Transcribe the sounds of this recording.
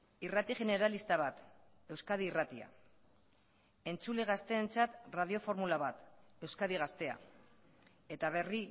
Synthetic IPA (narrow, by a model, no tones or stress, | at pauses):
irat̪iʝe̞ne̞ɾalist̪aβ̞at̪ | e̞wskað̞iːrat̪ia̰ | e̞nt͡suleɣ̞ast̪e̞ːnt͡sat̪rað̞io̞fo̞ɾmulaβat̪e̞wskaðiɣ̞ast̪e̞a̰ | e̞t̪aβ̞e̞ri